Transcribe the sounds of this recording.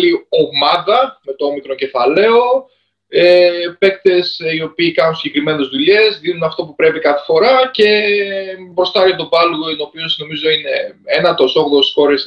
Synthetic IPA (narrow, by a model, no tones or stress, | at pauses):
lio̞mɐðɐme̞t̪oomikɾocefɐle̞o̞ | epe̞k̚t̪e̞sio̞piːkɐnunsiçe̞kɾime̞ne̞zðuʎe̞zðinunɐft̪o̞pupɾe̞pikɐθefo̞ɾɐce̞ | bɾo̞st̪ɐɾot̪obɐluno̞pio̞sno̞mizo̞ine̞enɐt̪o̞so̞ɣðossxo̞ɾes